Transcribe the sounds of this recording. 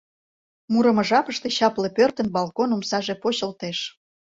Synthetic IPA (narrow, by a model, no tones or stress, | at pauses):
muɾəmə̆ʒɑpəʃt̪e̽ɕɑplepørt̪ə̆nbɑlkonumsɑʒe̽poɕəlt̪eʃ